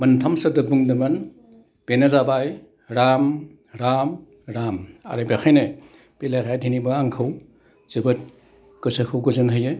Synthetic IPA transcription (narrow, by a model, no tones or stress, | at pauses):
mɐntʰamsɐdɯbuŋdɐmɐn | penazabaj | ɾam | ɾam | ɾama̰ɾebaxʰajne | pilajkʰajdʰʱinibɐaŋkʰɯw | z̥ɯbɯt̚ | kɯsɐkʰɯwɡɯzɯnɦɯjɯ